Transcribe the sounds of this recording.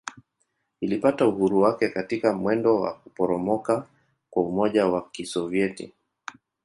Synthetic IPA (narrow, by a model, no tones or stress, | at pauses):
ilipatauhuɾuwakɛkatikamwɛndɔwa̰kupɔɾɔmɔka | kwaumɔʄawakisɔviɛtḭ